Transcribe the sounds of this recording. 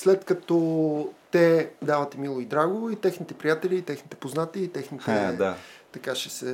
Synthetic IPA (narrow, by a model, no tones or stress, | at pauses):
slɛt̪kɐt̪ɔt̪ɛd̪avɐt̪imilˠoid̪ɾaɡooit̪ɛxnit̪ɛpɾijat̪ɛlʲiːt̪ɛxnit̪ɛ̥poznat̪iit̪ɛxnit̪ɛd̪at̪ɐkaʃɛsɛ